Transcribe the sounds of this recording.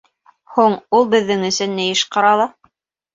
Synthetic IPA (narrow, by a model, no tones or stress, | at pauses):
huɴulˠbɘ̆ðːɘŋɵ̆sɘ̆nːɘ̆jɘʃqɑɾɑlˠɤ